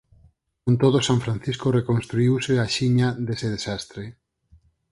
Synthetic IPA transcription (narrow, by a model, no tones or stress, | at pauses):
kont̪oð̞osaɱfɾãn̟θiskorekonst̪ɾuiwseaʃiɲaðeseð̞esast̪ɾe